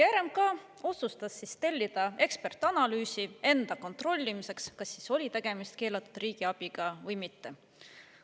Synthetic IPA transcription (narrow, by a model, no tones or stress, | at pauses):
jæːɾe̞m̚kɑ | o̞sust̪ɑsːist̪e̞lʲːid̪̥ɑe̞kspe̞rt̪ːˑɑnɑlyːsie̞nd̪̥ɑko̞nt̪ro̞lʲːimise̞kskɑsːiso̞lʲit̪e̞ɡ̥e̞mist̪̚ke̞ːlɑt̪ːˑud̪̥riːɡ̥iɑb̥iɡ̥ɑvɤjmit̪ːe̞